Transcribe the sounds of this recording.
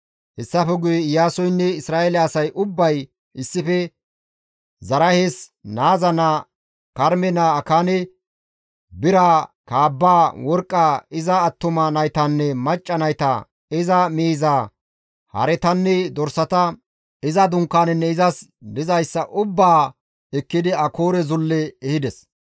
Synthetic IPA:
hɛsːɐfɛɡʊjɛjaːsɔjnːɛɪsɾaːɛlɛːsɐjʔʊbːɐj | ɪsːɪfɛ | zɐɾɐhesnaːzɐna | kɐɾmɛnaːkaːnɛ | bɪɾakaːbːaːwɔɾkʼːaɪzɐːt̪ːʊmɐnɐjt̪ɐnːɛmɐt͡ʃʼːɐnɐjt̪ɐ̰ | ɪzɐmiːzaː | hɐ̰ɾɛt̪ɐnːɛd̪ɔɾsɐt̪ɐ | ɪzɐd̪ʊŋkːaːnɛnːɛɪzɐsd̪ɪzɐjsːɐʔʊbːaː | ɛkːɪd̪ɪɐkoːɾɛzʊlːɛːhɪd̪ɛs

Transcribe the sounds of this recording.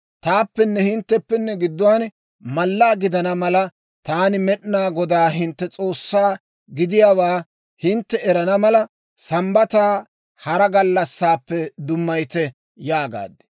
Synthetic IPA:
t̪aːpːɛnːɛhɪnt̪ːɛpːɛnːɛɡɪd̪ːʊwaːn | mɐlːaːɡɪd̪ɐnɐmɐlɐ | t̪aːnɪmɛɗnaːɡɔd̪aːɦɪnt̪ːɛt͡sʼo̞ːsːaː | ɡɪd̪ɪjaːwaː | hɪnt̪ːɛɛɾɐnɐmɐlɐ | sɐmbɐt̪aː | hɐɾɐɡɐlːɐsːaːpːɛd̪ʊmːɐjt̪ɛ | jaːɡa̰ːd̪ːɛ̥

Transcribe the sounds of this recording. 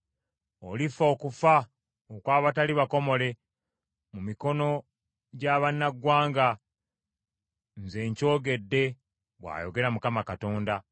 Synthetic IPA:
olifo̞ːkufa | okwaːβataliβako̞mo̞le̞ | mumiko̞no̞ | ɟaβanːaɡwaːŋɡa | nze̞ːɲco̞ːɡe̞dːe̞ | βwa̰ːjo̞ɡe̞ɾamukamakato̞ːnda

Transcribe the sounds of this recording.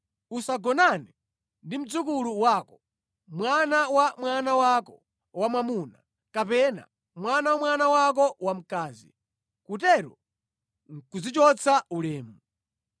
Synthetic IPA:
usaɡɔnani | ndim̩d͡zuk̬uluwakɔ | mwanawamwanawakɔ | wamamuːna | kapɛna̰ | mwanawamwanawak̬ɔwam̩kaːzḭ | kutɛɾɔ | ŋ̩kud͡zit͡ʃɔt͡sʰaulɛːmu

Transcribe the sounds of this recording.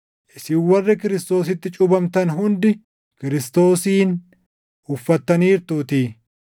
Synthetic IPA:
ʔɪsɪwːɐrːɪkɪɾɪst̪o̞ːsɪt̪ːɪt͡ʃʼʊbɐmt̪ɐnɦʊnd̪ɪ | kɪɾɪst̪o̞ːsiːn | ʊfːɐt̪ːɐniːɾt̪uːt̪i

